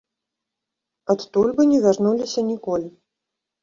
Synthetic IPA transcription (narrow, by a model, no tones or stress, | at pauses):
at̪t̪ulʲbɨnʲɛvʲarnulʲisʲɐnʲikɔlʲi